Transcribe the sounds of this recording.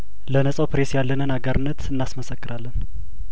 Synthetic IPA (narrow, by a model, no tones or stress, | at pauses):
lənəsʼəwpɾesjalːənɨnaɡəɾɨnːət̪ʰɨnːasməsəkːɨɾalːən